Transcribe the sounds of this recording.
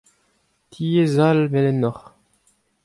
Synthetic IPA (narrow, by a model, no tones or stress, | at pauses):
t̪ʰiezalvɛlɛnɔχ